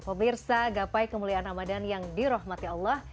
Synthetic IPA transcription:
pəmirsaɡapajkəmulianamadanjaŋdiɾɔɦmat̪iɑlːah

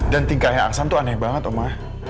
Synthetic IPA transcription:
dant̪iŋkahɲaa̰ksant̪uanɛhbaŋət̪omah

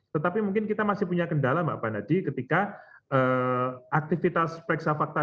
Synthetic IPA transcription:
t̪ət̪apimuŋkɪnkit̪amasɪhpuɲakəndalama̰ʔpanadikət̪ikaəʔak̚t̪ifit̪aspɾɛksafak̚t̪a

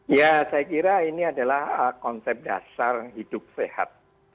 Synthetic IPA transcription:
jasajakiɾainiadalahəkɔnsɛp̚da̰sarhid̥ʊp̚seha̰t̪̚

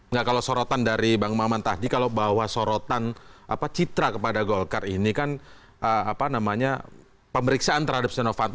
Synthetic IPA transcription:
ŋɡakalosoɾot̪andaɾibaŋmamant̪ahdikalobawahsoɾot̪anʔa̰pat͡ʃit̪ɾakəpadaɡolkarinikan | ʔəapanamaɲa | pəməɾiksaant̪əɾhadap̚sɛnofant̪

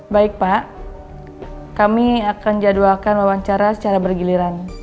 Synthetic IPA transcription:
baɪk̚paʔ | kamiakand͡ʒaduakanwawaɲt͡ʃaɾasə̥t͡ʃaɾabərɡiliɾan

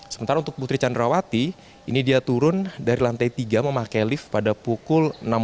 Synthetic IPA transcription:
səmənt̪aɾaunt̪ʊk̚put̪ɾit͡ʃandɾawat̪i | inidiat̪uɾʊndaɾilant̪ajt̪iɡaməmakajlɪfpadapukʊlnam

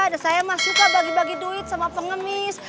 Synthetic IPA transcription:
dasajamasukabaɡibaɡiduɪt̪̚samapəŋəmɪs

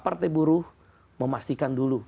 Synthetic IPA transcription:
part̪ebuɾuh | məmast̪ikandulu

